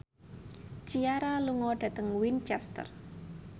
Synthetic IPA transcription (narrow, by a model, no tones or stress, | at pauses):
t͡ʃiaɾaluŋɔɖ̥a̤t̪əŋwint͡ʃɛst̪ə̰r